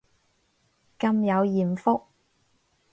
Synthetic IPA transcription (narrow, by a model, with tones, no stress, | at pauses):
kɐ˧mjɐ˨˧wjiː˨˩mfʊ˥k̚